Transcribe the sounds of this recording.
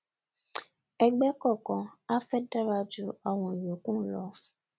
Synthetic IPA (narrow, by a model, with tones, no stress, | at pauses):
ɛ˨ɡ͡bɛ˦kɔ˦˨kɔ̃˨a˦fɛ˦da˦ɾa˧d͡ʒu˦a˨wɔ̃˨jo˨kũ˦lɔ˨˦